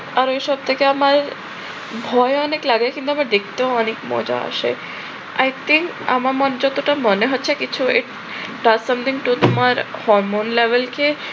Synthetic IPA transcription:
aɾeʃɔb̚t̪ʰekeamaɾ | bʱɔjɔneklaɡakĩnt̪uamaɾd̪ekʰt̪ẽɔnekmɔ̰d͡ʒa̰ə̰ʃḛ | ajt̪ʰĩŋk | a̰maɾmɔnd͡ʒɔt̪oʈamɔneɦɔtːʃʰekit͡ʃʰuɪʈ | ɖazsʌ̃mt̪ʰĩŋʈut̪umaɾhɔɾmonleʋəlke

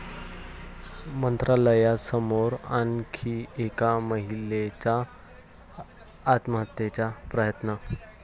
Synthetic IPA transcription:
mənt̪ɾaləjasəmoɾankʰiekaməɦilet͡ɕa | t̪məɦət̪jet͡ɕjapɾəjət̪na

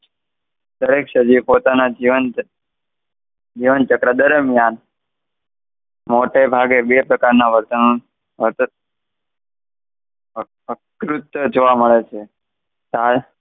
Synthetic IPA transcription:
d̪əɾekʃəd͡ʒiʋpot̪anad͡ʒiʋən | d͡ʒiʋənt͡ʃəkɾad̪əɾəmjan | moʈebʱaɡebepɾəkaɾnaʋəɾt̪ənu | ʋəɾt̪ə | əkɾut̪əd͡ʒoʋaməɭet͡ʃʰe | sal

